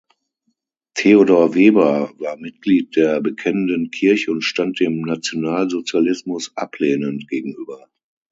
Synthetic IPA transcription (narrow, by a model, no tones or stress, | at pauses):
tʰeodoːɐveːbɐvaːɐmɪt̚ɡ̥liːt̚d̥eːɐbəkʰɛnəndənkʰɪɐçəʊntʃtant̚d̥eːmnat͡sjonaːlzot͡sjalɪsmʊsʔa̰pleːnəntɡ̥eːɡŋ̩ʔyːbɐ